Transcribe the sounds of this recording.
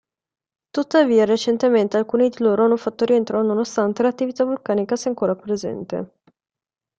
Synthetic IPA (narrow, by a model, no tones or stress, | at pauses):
t̪ut̪ːaviːaɾet͡ʃent̪ement̪ealkuːnid̪iloːɾoanːufat̪ːoɾient̪ɾanonost̪ant̪elat̪ːivit̪avulkaːnikaseaŋkoːɾapɾezɛ̰nt̪ḛ